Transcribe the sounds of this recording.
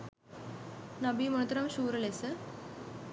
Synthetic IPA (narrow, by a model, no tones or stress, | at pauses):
nɐbimɐnɐt̪ɐɾɐmʃuːɾɐlesə